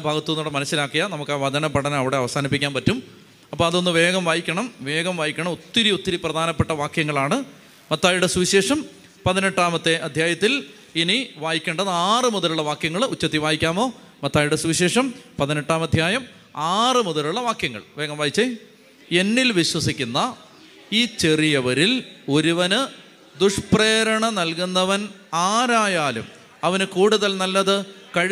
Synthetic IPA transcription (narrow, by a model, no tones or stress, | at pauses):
bʱaːɡɐt̪ːuenuoːɽemɐnɐsːilaːkːijɐnɐmukːaːʋɐd̪ɐnɐpɐɽɐnɐɐʋiɽe̞ɐʋɐsaːnipːikʲːaːnpɐtːum | ɐpːoːɐðo̞nːɨʋe̞ːɡɐmʋaːjikʲːɐɳɐmʋe̞ːɡɐmʋaːjikʲːɐɳɐmot̪ːiɾiot̪ːiɾiprɐd̪ʱaːnɐpːeʈːɐʋaːkjɐŋːɐɭaːɳɨ | mɐt̪ːaːjuɽe̞swuɕe̞ːʂɐm | pɐðineʈːaːmɐt̪ːe̞ʔɐd̪ʱjaːjɐt̪ːil | iniʋaːjikʲːeːɳɖɐðaːrɨmuðɐluɭːɐʋaːkjɐŋːɐɭut͡ɕːɐt̪ːiʋaːjikʲːaːmo̞ː | mɐt̪ːaːjuɽesuiɕe̞ːʂɐmpɐðineʈːaːmɐd̪ʱjaːjɐm | aːrɨmuðɐluɭːɐʋaːkjɐŋːɐ̰ɭʋeːŋːɐmʋaːjit͡ɕːe | e̞nːilʋiɕwɐsikʲːunːɐ | iːt͡ɕe̞rijɐʋɐɾilo̞ɾuʋɐnɨ | d̪uʂpreːɾɐɳɐnɐlkunːɐʋɐnaːɾaːjaːlṵm | ɐʋɐnkuːɽuðɐlnɐlːɐðɨkɐɻ